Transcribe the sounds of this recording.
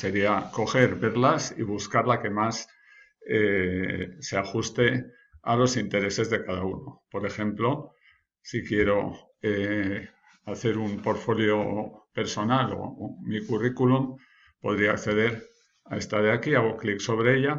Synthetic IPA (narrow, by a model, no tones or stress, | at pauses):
se̞ɾiako̞xe̞ɾβe̞ɾlasḭβ̞uskaɾlake̞mas | e | seaxust̪e̞ | alo̞sint̪e̞ɾe̞se̞zðe̞kað̞auno̞po̞ɾe̞xẽ̞mplo̞ | sikje̞ɾo̞ | e | aθe̞ɾumpo̞ɾfo̞ljo̞pe̞ɾso̞nalo̞̰mikurikulum | po̞ð̞ɾiaːkθe̞ðe̞ɾ | ae̞st̪aɾeakiaɣoklikso̞βɾeeʎa